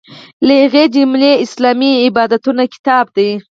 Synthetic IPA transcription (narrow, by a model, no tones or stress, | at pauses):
laɣed͡ʒɪmleɪslɑmiɪbɑd̪at̪unakɪ̥t̪ɑb̚d̪aj